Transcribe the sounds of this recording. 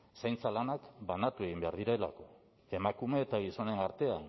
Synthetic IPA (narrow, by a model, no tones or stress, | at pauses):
sajnt͡salanakbanat̪ue̞ɣimbeaɾð̞iɾaela̰ko̞ | e̞makume̞ːt̪aɣiso̞ne̞naɾt̪e̞an